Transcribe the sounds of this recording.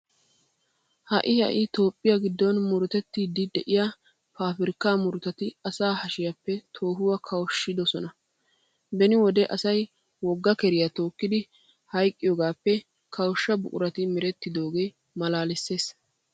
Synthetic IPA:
hɐ̰ʔɪhɐ̰ʔɪt̪o̞ːpʼːɪjaɡɪd̪ːɔnmʊɾʊt̪ɛt̪ːid̪ɪd̪ɛʔɪja | paːfɪɾɪkːaːmʊɾʊt̪ɐt̪ɪɐsaːhɐʃɪjɐpːɛt̪ʰo̞ːɦʊwɐkʰɐwʃːɪd̪ɔsɔnɐ | bɛnɪwɔd̪ɛʔɐsɐj | wɔɡːɐkɛɾɪjat̪o̞ːkːɪd̪ɪ | hɐjkʼːɪjoːɡaːpːɛ | kʰɐwɔʃːɐbʊ̰kʼʊɾɐt̪ɪmɪɾɛt̪ːɪd̪o̞ːɡe̞ː | mɐlaːlɪsːe̞ːs

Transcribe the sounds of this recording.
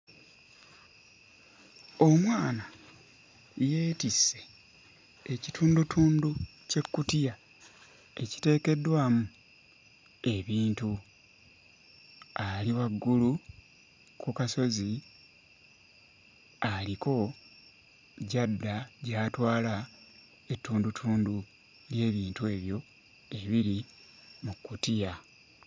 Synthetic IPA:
o̞mwaːna | je̞ːtisːe̞ | ecitʰuːndutʰuːnduce̞kːutija | e̞ci̥te̞ːke̞dːwaːmu | e̞βiːntu | aliwaɡːulu | kukaso̞zi | aliko̞ | ɟadːaɟaːtwaːla | e̞tːuːndutʰuːndu | lje̞ːβiːntue̞ːβjo̞ | e̞βiɾi | mukːutija

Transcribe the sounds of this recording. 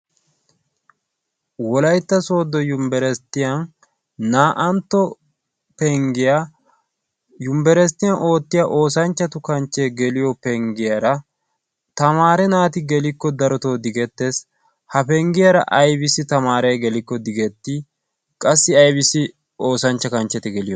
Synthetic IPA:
wɔlɐjt̪ːɐso̞ːd̪ːɔjʊmbɛɾɛst̪ːɪjɐn | naːʔɐnt̪ːɔ | pɛŋɡɪja | jʊmbɛɾɛst̪ːɪjɐnʔo̞ːt̪ːɪjaʔo̞ːsɐnt͡ʃːɐt̪ʊkɐnt͡ʃːe̞ːɡɛlɪjɔpɛŋɡɪjɐɾɐ | t̪ɐmaːɾɛnaːt̪ɪɡɛlɪkːɔd̪ɐɾɔt̪o̞ːd̪ɪɡɛt̪ːes | hɐpɛŋɡɪjɐɾɐ̰ʔɐjbɪsɪt̪ɐmaːɾɛjɡɛlɪkːɔd̪ɪɡɛt̪ːɪ | kʼɐsːɪɐjbɪsɪ | o̞ːsɐnt͡ʃːɐkɐnt͡ʃːɛt̪ɛɡɛlɪjɔ

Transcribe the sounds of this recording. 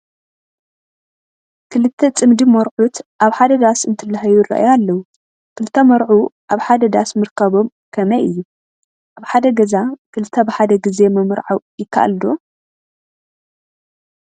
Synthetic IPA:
kʰɨlɨt̪ʰːɐt͡sʼɨmd̪imɐɾʕut̪ʔaβħad̪ɐd̪asɨnt̪ʰɨlːaɦɐjurɐ̰ʔa̰jalːɐwu | kʰɨlt̪ʰːɐmɐɾʕuʔaβħad̪ɐd̪asmɨɾkʰɐβo̞m | kʰɐmɐjʔɨjːu | ʔaβħad̪ɐɡɐzakɨlɨt̪ʰːɐbɨħad̪ɐɡize̞mɐmɾʕawjɪkʰːa̰ʔa̰ld̪o

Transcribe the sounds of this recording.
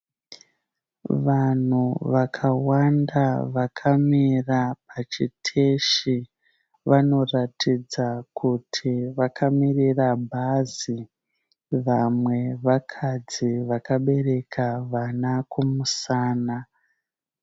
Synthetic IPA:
ʋan̤uʋakʰawandaʋakʰamirapat͡ʃitʰeʃi | ʋano̞ratid͡zakʰutʰiʋakʰamirirabʱazi | ʋamwe̞ʋakʰad͡ziʋakaɓe̞re̞kʰaʋanakumusaːna

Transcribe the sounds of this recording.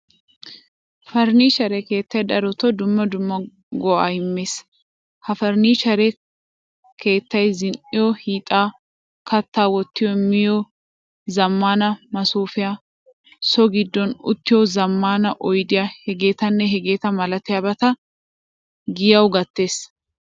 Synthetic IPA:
fɐɾniːʃɐɾɛke̞ːt̪ːɐjd̪ɐɾɔt̪ɔd̪ʊmːɐd̪ʊmːɐ | ɡɔa̰ːhɪmːe̞ːs | hɐfɐɾniːt͡ʃɐɾɛ | kʰe̞ːt̪ːɐjzɪnʔɪjɔhiːt̪ʼaː | kɐt̪ːaːwɔt̪ːɪjɔmɪjo | zɐmːaːnɐmɐsuːfɪjaː | sɔɡɪd̪ːɔnʊ̰t̪ːɪjɔzɐmːaːnɐʔɔjd̪ɪjahɛɡe̞ːt̪ɐnːɛɦɛɡe̞ːt̪ɐmɐlɐt̪ɪjabɐt̪ɐ | ɡɪjɐwɡɐt̪ːe̞ːs

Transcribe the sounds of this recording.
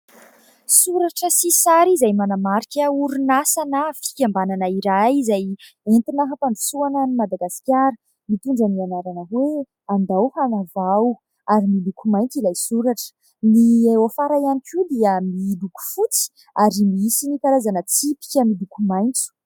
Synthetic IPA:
suɾaʈ͡ʂəsisaɾizajmanamaɾikʲəuɾunasanəfi̥kʲambananaiɾajizaj | ent̪inaɦapaɳɖ͡ʐu̥suanənimad̪aɡasi̥kʲaɾə | mit̪uɳɖ͡ʐənianaɾanəɦwe | and̪awhanavaw | aɾimilukumajnt͡s̪ilajsuɾaʈ͡ʂə̥ | niofaɾajanikʲud̪iəmiluku̥fut͡si̥ | aɾimisinikaɾazanət͡sipi̥kʲəmilukumajnt͡su̥

